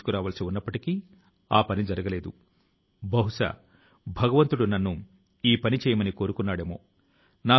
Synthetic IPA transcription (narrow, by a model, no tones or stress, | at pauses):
ukuɾaːʋɐːlɐsiunːɐpːɐʈiki | aːpɐnid͡ʒɐɾɐɡɐle̞ːd̪u | bɐɦuʂa̰ː | bʱɐɡɐʋɐnt̪uɽunɐnːu | iːpɐnit͡ʃɛːjɐmɐniko̞ːɾukunːaːɽeːmo̞̰ː | naː